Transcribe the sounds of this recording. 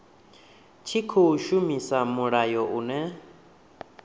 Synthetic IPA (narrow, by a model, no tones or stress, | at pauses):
t͡ʃʰikʰɔuʃumisamuɺajɔʔunɛ